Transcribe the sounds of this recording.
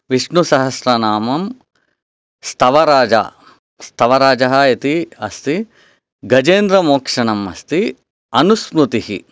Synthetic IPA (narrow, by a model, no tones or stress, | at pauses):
ʋiʂɳusɐɦɐsɾɐnaːmɐm | st̪ʰɐʋɐɾaːd͡ʒa̰ː | st̪ʰɐʋɐɾaːd͡ʒɐɦɐɐt̪iɐst̪i | ɡɐd͡ʒeːnd̪ɾɐmoːkʂɐɳɐmɐ̰st̪i | ɐnuspɾut̪ihḭ